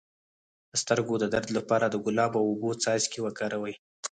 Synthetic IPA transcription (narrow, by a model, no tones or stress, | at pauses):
d̪̥əst̪əɾɡod̪əd̪aɾd̪lapɑɾad̪əɡʊlɑbawobot͡sɑjzkewəkɑɾawəj